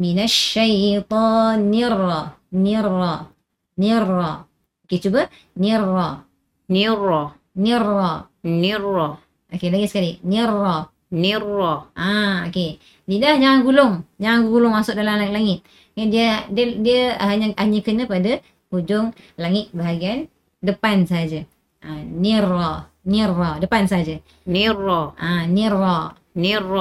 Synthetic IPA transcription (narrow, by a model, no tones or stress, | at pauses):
minaʃajt̪ˤɔnːirɔnirɔ | nirɔ | oket͡ʃubə | nirɔ | niɾɔ | nirɔ | nirɔ | ʔokelaŋɪt̪skalinirɔ | nirɔʔaoke | didahd͡ʒaŋanɡulʊŋd͡ʒaŋanɡulʊŋmasʊk̚dalamlaŋɪt̪̚laŋɪt̪̚ | adiəddiəaɦaɲaaɲəkəɲəpada | kud͡ʒʊŋlaŋɪt̪̚baɦaɡian | dəpansaɦad͡ʒa | aniɾɔ | niɾɔdəpansəɦad͡ʒa | niɾɔʔaniɾɔ | niɾ